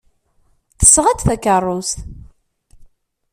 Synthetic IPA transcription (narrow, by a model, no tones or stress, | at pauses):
θə̥sːʁæt͡sθækərˤːust̪